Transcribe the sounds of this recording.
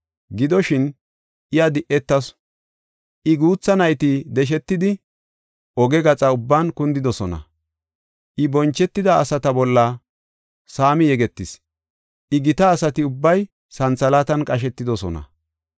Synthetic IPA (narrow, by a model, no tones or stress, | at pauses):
ɡɪd̪ɔʃɪn | ʔɪjad̪ɪʔɛt̪ːɐs | ʔɪɡuːt͡sːɐnɐjt̪ɪd̪ɛʃ̬ɛt̪ːɪd̪ɪ | ʔɔɡɛɡɐt͡sʼɐʊbːaːnkʊnd̪ɪd̪ɔsɔnɐ̰ | ʔɪbɔnt͡ʃːɛt̪ːɪd̪ɐːsɐt̪ɐbɔlːɐ | saːmɪjɛɡɛt̪ːɪs | ʔɪɡɪt̪ɐːsɐt̪ɪʊbːɐj | sɐnt͡sɐlaːt̪ɐnkʼɐʃ̬ɛt̪ːɪd̪ɔsɔ̰nɐ̰